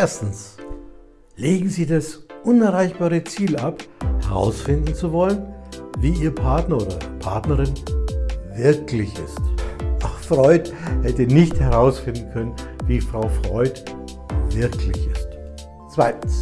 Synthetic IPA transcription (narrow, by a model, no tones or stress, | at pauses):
ʔeːɐstn̩s | leːɡŋ̩ziːdasʔʊnɛɐʁaɪçb̥aːʁət͡siːlaphɛʁa̰ʊsfɪndn̩t͡suvɔlənviːiːɐpʰaɐtnɐoːdɐpʰaɐtnɐʁɪn | vɪɐklɪçɪ̰stafʁɔʏthɛtənɪçthɛʁaʊsfɪndn̩kʰœnən | viːfʁ̥aʊfʁ̥ɔʏt | vɪɐkʰlɪçɪst | t͡sv̥aɪtn̩s